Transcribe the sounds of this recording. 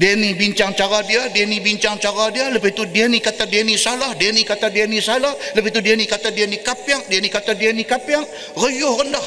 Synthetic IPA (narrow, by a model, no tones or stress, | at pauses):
denibiɲt͡ʃaŋt͡ʃaɾadiadienibiɲt͡ʃaŋt͡ʃaɾadialəpait̪udianikat̪adanisalahdanikat̪adianisalahləpait̪udianikat̪adianikapiaŋdianikat̪adianikapjaŋ | rəjohrəndah